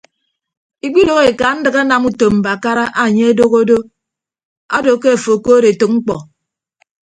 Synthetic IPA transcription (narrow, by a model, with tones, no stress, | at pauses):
i˨k͡pi˦do˨ɣe˨ka˨n̩˦dɨ˨ɣa˦na˨mu˦to˨mm̩˨ba˨ka˦ɾa˦ʔa˨ɲe˦a˦do˦ɣo˦do˦ | a˦do˨ke˦a˨fo˨ko˦ɾe˨to˨k̚ŋ͡m̩˦k͡pɔ˨